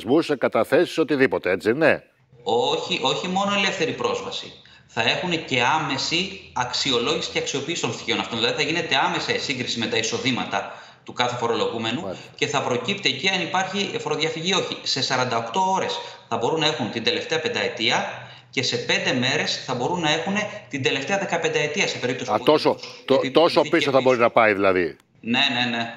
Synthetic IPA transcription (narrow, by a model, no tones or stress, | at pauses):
zmusekɐt̪ɐθe̞si̥so̞t̪iðipo̞t̪eet͡sine | oçiʔo̞çimo̞no̞ele̞fθe̞ɾipɾo̞zvɐsḭ | θɐe̞xunece̞ɐme̞siɐksio̞lo̞ʝisi̥ceɐksio̞piːsit̪o̞nsi̥çonɐft̪oðilɐðiθɐʝine̞t̪e̞ɐme̞sɐisiŋɡɾisime̞t̪ɐiso̞ðimɐt̪ɐ | t̪ukɐθe̞fo̞ɾo̞lo̞ɣume̞nu | ce̞θɐpɾo̞cipt̪eːciɐnipɐɾçifo̞ɾoðʝɐfiʝio̞çise̞sɐɾɐnd̪ɐo̞kt̪o̞o̞ɾe̞sθɐbo̞ɾunːɐe̞xunt̪ind̪e̞le̞ft̪e̞ɐpend̪ɐe̞t̪iɐ | ce̞se̞pe̞nd̪e̞me̞ɾe̞sθɐbo̞ɾunːɐe̞xune̞t̪ind̪e̞le̞ft̪e̞ɐðe̞kɐpe̞nd̪ɐe̞t̪iɐse̞pe̞ɾip̚t̪osit̪osot̪ot̪osopisoθɐbo̞ɾinɐpɐiðilɐði | ne̞ne̞ne̞